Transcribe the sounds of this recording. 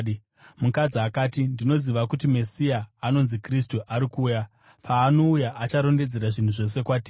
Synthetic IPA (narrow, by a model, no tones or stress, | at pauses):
mukad͡ziakaːtindino̞ziʋakutime̞sijaːno̞nzikristuʔaɾikuːja | pʰaːno̞ujaʔat͡ʃaɾo̞nde̞d͡ze̞ɾaʐin̤uʐo̞s̬e̞kwaːtiː